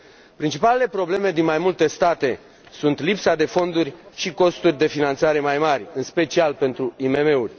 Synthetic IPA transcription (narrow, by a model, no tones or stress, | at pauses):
pɾint͡ʃipalele̞pɾo̞ble̞me̞d̪inmajmult̪e̞st̪at̪e̞ | sunt̪lipsad̪e̞fo̞nd̪urʲʃiko̞st̪urʲd̪e̞finant̪saɾe̞majmarʲɨnspe̞t͡ʃialpe̞nt̪ɾuime̞me̞urʲ